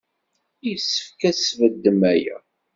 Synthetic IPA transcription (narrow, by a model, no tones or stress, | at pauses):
ijsːə̥fkæsvəd̪ːəmæjæ̰